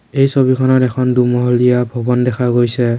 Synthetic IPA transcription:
ejsobikʰɔnaɾɛkʰɔndumɔɦɔlijabʱɔbɔndɛkʰaɡojsɛ

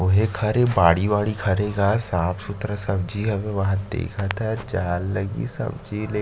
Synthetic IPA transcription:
ʊɦekʰɐɾebaːɽiʋaːɽikʰɐɾeːɡaːsãːpsʊt̪ɾəsɐbd͡ʒiɦɐmẽʋɐɦãd̪ḛːkʰat̪ʰad͡ʒaːlːɐɡḭsɐ̰bd͡ʒile

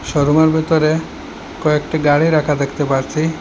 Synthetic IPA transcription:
ʃɔɾomeɾbʱet̪oɾe | kɔek̚ʈiɡaɽiɾakʰad̪ekʰt̪epaɾt͡ɕʰi

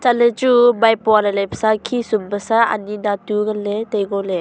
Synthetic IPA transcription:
t͡ʃalet͡ʃubajpɔalalajpʰsakʰisumbəsaa̰ninatuɡaletejɡɔle

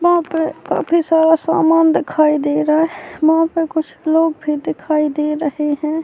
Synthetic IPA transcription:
ʋɐɦãpeka̰ːfʰisaːɾasaːmaːnd̪ɪkʰaːid̪eːɾaɦʋɐɦãpekʊt͡ʃʰloːɡbʱid̪ɪkʰaːid̪eːɾəheɦɛ̃ː

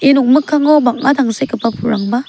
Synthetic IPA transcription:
enuk̚mɯkʰːaŋɔbak̚ʔadaŋsajkɯpapʰuɾaŋba

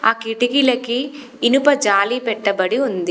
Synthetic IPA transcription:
aːkiʈiɡilɐkiː | nupɐd͡ʒaːliːpɛʈːɐbɐɽiund̪i

